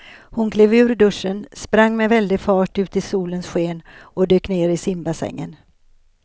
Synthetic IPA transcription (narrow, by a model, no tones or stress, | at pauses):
hʊnkʰleːvʉ̟ːɾɖɵʂːənspɾaŋːmɛvɛld̪ɪɡfɑːʈʉ̟ːt̪ɪsuːlənsɧeːnɔd̪øːkneːɾɪsɪmbasɛ̰ŋːə̰n